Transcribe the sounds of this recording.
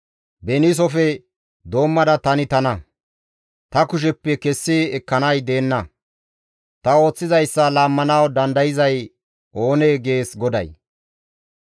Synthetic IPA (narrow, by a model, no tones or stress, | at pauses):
bɛnis̬ɔfɛ | d̪o̞ːmːɐd̪ɐt̪ɐnɪt̪ɐnɐ | t̪ɐkʊʃ̬ɛpːɛkɛsːɪɛkːɐnɐjd̪e̞ːnːɐ | t̪ɐo̞ːt͡sːɪzɐjsːɐlaːmːɐnɐwd̪ɐnd̪ɐjɪzɐj | ʔo̞ːneːɡe̞ːsɡɔd̪ɐ̰j